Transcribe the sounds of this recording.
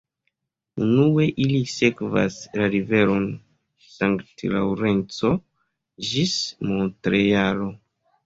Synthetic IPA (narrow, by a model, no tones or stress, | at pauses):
unuwe̞ʔilisekva̰slaɾive̞ɾon | saŋktla̰wɾe̞nt͡so | ʒismotɾejalo